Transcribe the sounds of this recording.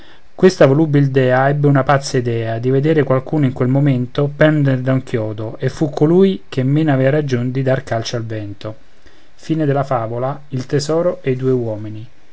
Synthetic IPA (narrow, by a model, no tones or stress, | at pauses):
kwest̪avolubild̪ɛːaɛbːeunapat̪sːaid̪ɛːad̪ived̪eːɾekwalkuːnoiŋkwelmoment̪opɛnd̪eɾd̪auŋkʰjɔːd̪oʔefːukʰːoluːjk̟ʰemːeːnavɛːaɾad͡ʒond̪id̪arkalt͡ʃoalvɛnt̪o | fiːned̪elafaːvolailt̪ezɔːɾoʔeid̪uːewɔːmini